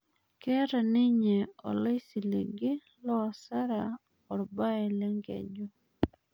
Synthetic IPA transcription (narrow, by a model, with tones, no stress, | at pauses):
kɛ˦ɾa˨nɪ˦ɲɛ˨ɔ̰˨le˦si˨lḭ˨ɡɪ˦ | lɔ˦˨sa˦ɾa˨ | ɔ˨ɾba˦ɛ˨lɛ˦ŋɡɛ̰˨ɲd͡ʒo˦